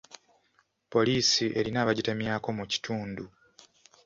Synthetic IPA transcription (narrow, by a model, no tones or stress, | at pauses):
po̞liːsiʔe̞ɾinaːβaɟite̞mjaːko̞muci̥tuːndu